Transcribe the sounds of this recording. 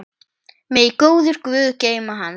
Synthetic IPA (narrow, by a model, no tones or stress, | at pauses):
mɛðikoːwðʏɾ̥kvʏːðceːjmaɦan